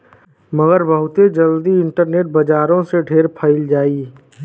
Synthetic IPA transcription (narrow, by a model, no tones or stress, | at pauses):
məɡəɾbəɦʊt̪ed͡ʒəld̪iɪɳʈəɾneːʈ̚bɐd͡ʒaːɾõseɖʱeːɾpʰəɪld͡ʒaːi